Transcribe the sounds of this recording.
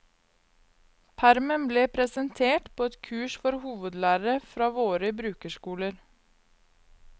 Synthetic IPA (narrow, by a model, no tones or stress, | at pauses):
pʰæɾmənbleːpʰɾɛsənt̪ʰeːʈpʰoːɛt̪kʰʉːʃfɔɾhuːʋəd̪læːɾəɾəfɾɑːʋoːɾəbɾʉːkəʃkuːləɾ